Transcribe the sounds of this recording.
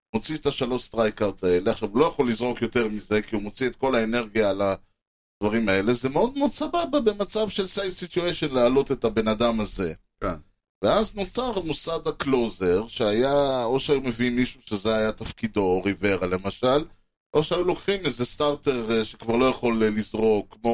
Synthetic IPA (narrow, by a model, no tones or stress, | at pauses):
mo̞t͡siet̪aʃalo̞st̪ʁajkawt̪ae̞leaχʃavulo̞jaχo̞lːizʁo̞kjo̞t̪e̞ʁmize̞kiumo̞t͡siet̪̚ko̞lae̞ne̞ʁɡijala | d̥̪vaʁimae̞le̞zemeo̞d̪̚meod̪sabababe̞mat͡savʃe̞lsejfsit̪jueʃo̞nleːlo̞t̪e̞t̪abe̞nad̪amaze̞ | ken | veazno̞t͡saʁmusad̪akloze̞ʁʃeajaoʃeajume̞viimːiʃuʃe̞zeajat̪afkid̪oʁive̞ʁale̞maʃal | ʔo̞ʃeajulo̞kχimezest̪aʁt̪e̞ʁʃekvaʁlo̞jaχo̞llizʁo̞kːmo